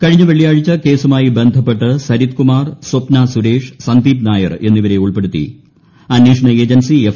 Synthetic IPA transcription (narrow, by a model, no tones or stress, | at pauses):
kɐɻiɲːɐʋeɭijaːɻit͡ɕːɐke̞ːsumaːjibe̞nd̪ʱɐpːe̞ʈːɨsɐɾit̪̚kumaːrswopnasuɾe̞ːʂsɐnd̪iːpnaːjɐ̰re̞nːiʋɐɾe̞uɭpe̞ɽut̪ːḭ | ɐnːeːʂɐɳɐeːd͡ʑɐnsief